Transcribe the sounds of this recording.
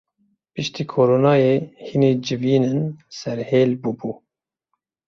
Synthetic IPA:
pɨʃt̪iːkʰoːɾoːnɑːjeːhineːd͡ʒɪviːnɨnsɛɾheːlbubuː

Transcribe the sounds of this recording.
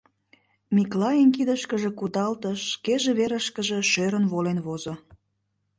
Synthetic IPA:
miklɑjənkid̪əʃkəʒĕkud̪ɑlt̪əʃkeʒĕβeɾəʃkəʒe̽ʃøɾənβolenβozo

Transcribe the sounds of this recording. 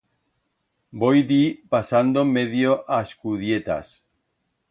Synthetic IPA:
bojd̪ipasand̪omeðjoʔaeskuðjet̪a̰s

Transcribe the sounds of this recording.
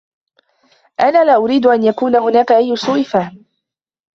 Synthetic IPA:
ʔanaːlaːʔʊɾiːd̪ʊʔanjakuːnahʊnaːkaʔajːʊsʊwɪfaː

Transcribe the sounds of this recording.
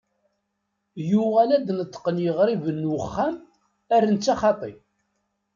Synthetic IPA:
juʁalæd̪nət̪ːə̥qənjəʁɾivənːwəχːæm | ærːənt͡sːɑχɑt̪ˤḭ

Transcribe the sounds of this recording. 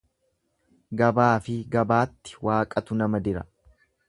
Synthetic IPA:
ɡɐbaːfɪɡɐbaːt̪ːɪ̥waːkʼɐt̪ʊnɐmɐd̪ɪɾɐ̰

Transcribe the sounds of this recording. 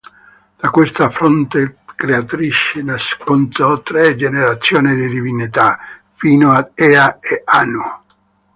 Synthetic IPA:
d̪̥akwest̪afɾɔnt̪ekɾeat̪ɾit͡ʃːenaskont̪ɔt̪ɾɛd͡ʒeneɾat̪sːjɔːnid̪id̪ivinit̪a | fiːnoaɛaeanu

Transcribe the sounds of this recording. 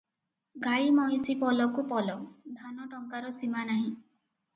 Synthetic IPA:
ɡaimɔjsipɔlɔkupɔlɔd̪ʱanɔʈɔŋkaɾɔsimanaɦĩ

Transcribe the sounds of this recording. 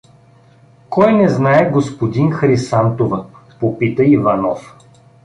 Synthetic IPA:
kɔjnɛznaɛɡospod̪inxɾisant̪ovɐ | popit̪əivanɔf

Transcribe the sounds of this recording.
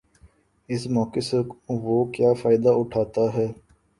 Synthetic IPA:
ɪsmɔːkeseʋoːkjaːfaːɪd̪aʊʈʰaːt̪aɦɛː

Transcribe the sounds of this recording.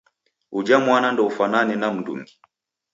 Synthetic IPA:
ud͡ʒamwanandɔufananɛnam̩ndṵŋɡi̥

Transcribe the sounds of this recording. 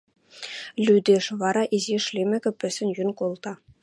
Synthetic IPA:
lʲyd̪ʲeʂʋɑɾɑʔiziʃlʲemʲɘ̆ɡʲɘ̆pʲɘ̆sʲɘ̆nʲjynkolˠt̪ɑ

